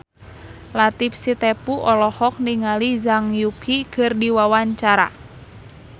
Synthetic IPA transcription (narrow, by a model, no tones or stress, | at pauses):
lat̪ipsit̪ɛpuʔɔlɔhɔk̚niŋalizaŋjukikərdiwawaɲt͡ʃaɾa̰